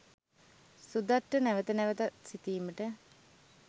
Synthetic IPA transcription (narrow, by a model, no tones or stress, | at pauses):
sud̪aʈːənæʋət̪ənæʋət̪at̪sit̪iːməʈə